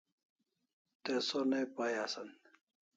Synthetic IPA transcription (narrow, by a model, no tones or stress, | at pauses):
t̪esonepajasɐn